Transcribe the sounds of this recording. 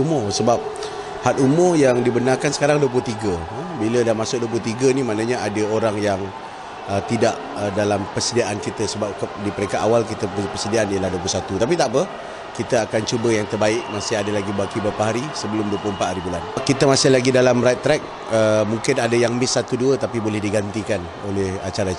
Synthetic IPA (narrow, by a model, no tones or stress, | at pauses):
umʊrsəbap̚ | hat̪umʊrjaŋdibənarkansə̥kaɾaŋduəp̬ʊt̪iɡəəbilədamasʊk̚duəp̬lʊht̪iɡənimãnaɲaʔadəoɾaŋjaŋ | ət̪idaʔ | ədalampərsədiaʔankit̪əsəbap̚kdipəɾekaʔawalkit̪əppəsədiaʔanijəlahduəplʊsat̪ut̪ap̬it̪aʔpə | kit̪əakant͡ʃubəjaŋt̪ərbaɪʔ̚masɪɦadəlaɡibakibapaɦaɾisəbəlʊmduəplʊhəmpat̪haɾibulankit̪əmasɪhlaɡidalamɾat̪ːɾɛk̚ | əmuŋkɪnadəjaŋmɪsːat̪uduət̪apibolɛhdiɡant̪ikan | o̰lɛha̰t͡ʃaɾa